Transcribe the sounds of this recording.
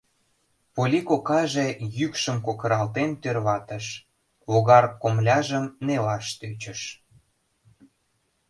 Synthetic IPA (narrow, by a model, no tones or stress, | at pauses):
polʲikokɑʒejykʃəmkokə̆ɾɑlt̪ent̪ørβɑt̪əʃ | βoɣɑrkomlʲɑʒəmnelɑʃt̪øt͡ɕəʃ